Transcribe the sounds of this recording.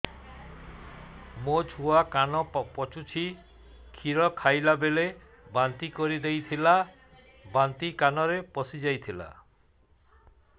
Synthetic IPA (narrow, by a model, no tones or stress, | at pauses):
mod͡ʒʱuakanɔpɔt͡ʃut͡ʃʰi | kʰiɾɔkʰajlabele | bant̪ikɔɾid̪ejt̪ʰila | bant̪ikanɔɾepɔsid͡ʒajt̪ʰila̰